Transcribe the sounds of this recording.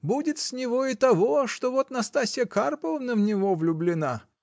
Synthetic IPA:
budʲɪt̪sʲnʲɪvoɪt̪ɐvoʂt̪ovot̪nɐst̪asʲɪjəkarpəvənəvnʲɪvovlʲʊblʲɪna

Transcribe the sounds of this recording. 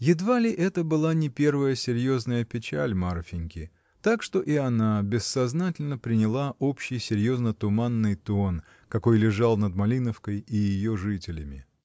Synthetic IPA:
jɪd̪valʲɪʔɛt̪əbɨlˠanʲɪpʲe̞rvəjəsʲɪɾʲjo̞znəjəpʲɪt͡ɕæ̰lʲmarfʲɪnʲkʲɪ | t̪akʂt̪o̞ʔɪɐnabʲɪsːɐznatʲɪlʲnəpɾʲɪnʲɪlˠaʔo̞pɕːɪjsʲɪɾʲjo̞znət̪ʊmanːɨjt̪on | kɐko̞jlʲɪʐalˠnəd̪mɐlʲinəfkəjɪjɪjoʐɨtʲɪlʲɪmʲɪ

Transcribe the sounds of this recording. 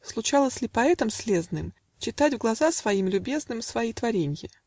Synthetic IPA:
slˠʊt͡ɕalˠəsʲlʲɪpɐɛt̪əmsʲlʲeznɨm | t͡ɕɪt̪atʲvɡlˠɐzasvɐimlʲʊbʲe̞znɨmsvɐjijt̪vɐɾʲenʲjə

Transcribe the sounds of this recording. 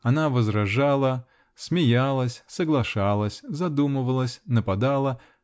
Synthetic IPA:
ɐnavəzɾɐʐalˠə | smʲɪjalˠəsʲsəɡlˠɐʂalˠəsʲzɐd̪umɨvəlˠəsʲnəpɐd̪alˠə

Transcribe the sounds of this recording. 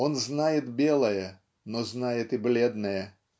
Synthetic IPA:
onznajɪt̪bʲelˠɐjə | noznajɪt̪ɪblʲed̪nɐjə

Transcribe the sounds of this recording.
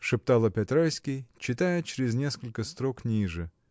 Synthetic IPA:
ʂɨpt̪alˠəpʲɐt̪ɾajsʲkʲɪjt͡ɕɪt̪ajət͡ɕɾʲɪznʲeskəlʲkəst̪ɾoknʲiʐɨ

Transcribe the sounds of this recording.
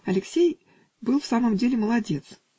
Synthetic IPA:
ɐlʲɪksʲej | bɨlˠfsaməmdʲelʲɪməlˠɐdʲe̞t̪s

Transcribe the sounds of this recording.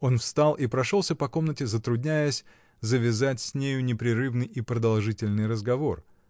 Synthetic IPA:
o̞nfst̪alˠʔipɾɐʂo̞lˠsʲəpɐko̞mnətʲɪzət̪ɾʊdʲnʲæjəsʲ | zəvʲɪzatʲsʲnʲejʊnʲɪpɾʲɪɾɨvnɨjipɾəd̪ɐlˠʐɨtʲɪlʲnɨjrəzɡɐvo̞r

